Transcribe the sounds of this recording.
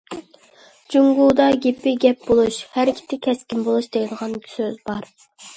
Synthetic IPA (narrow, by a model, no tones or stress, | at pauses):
d͡ʒuŋɡud̪ɑɡʲepːɪɡʲɛp̚bolˠuʃhæɾkʲʰi̥t̪ʰɪkʲʰɛskʲimbolˠuʃd̪eŋɪd̪əʁɑny̥søzbɑɾ